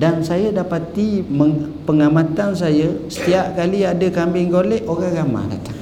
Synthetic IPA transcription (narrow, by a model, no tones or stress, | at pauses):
dansajadapat̪imə | pəŋamãt̪ansajasə̥t̪iaʔ̚kaliadəkambɪŋɡolɛʔoɾaŋɡama̰da̰t̪a